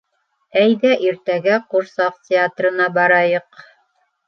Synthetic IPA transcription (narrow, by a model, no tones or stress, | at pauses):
æjðæʔiɾt̪æɡæquɾsɑqtʲɪat̪rɤ̆nɑbɑɾɑjɤq